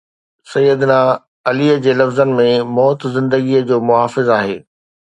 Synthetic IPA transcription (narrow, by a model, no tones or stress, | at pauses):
sɐjːəd̪naː | ɐliːəd͡ʑeːlɐfzənɪ̆mẽmɔːt̪zɪ̃nd̪əɡiəd͡ʑoːmʊɦaːfɪzaːɦeː